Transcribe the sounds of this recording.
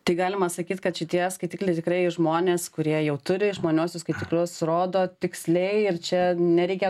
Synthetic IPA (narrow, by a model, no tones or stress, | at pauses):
t̪ɐɪɡɑːlʲɪmɐsɐkʲiːt̪kɐt̪ʃʲɪt̪ʲiɛskɐɪt̪ʲiklʲɛɪt̪ʲɪkɾɐɪʒmoːnʲeːskʊɾʲiɛjɛʊt̪ʊɾʲɪʒmoːnʲuːsʲʊskɐɪt̪ʲiklʲʊsroːd̪oːt̪ʲɪksʲlʲɛɪɪrt͡ʃʲɛnʲɛɾʲɛɪkʲɛ